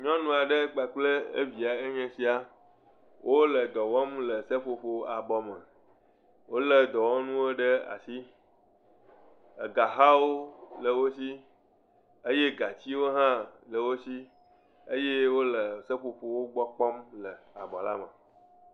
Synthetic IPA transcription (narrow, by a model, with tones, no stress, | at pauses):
ɲɔ̃˦nũ˨˦a˨ɖə˦ɡ͡ba˨k͡plə˦ḛ˦vi˨a˨e˦ɲɛ̃˨si˦a˨ | wʔo˦lə˨d̪ɔ˨wɔ˦mlə˨sə˦ɸo˨ɸo˨a˨bɔ˨mə̃˨ | wo˦lə˦d̪ɔ˨wɔ˦nũ˦o˦ɖə˦a̰˨si˦ | ə˨ɡa˨ɦa˦wo˦lə˨wo˦si˦ | ə˦je˦ɡa˨t͡ɕi˦wo˦ɦã˦lə˨wo˦si˦ | ə˦je˦wo˦lə˨sə˦ɸo˨ɸo˨wo˦ɡ͡bɔ˦k͡pɔ˦mlə˨a˨bɔ˨la̰˦mə˨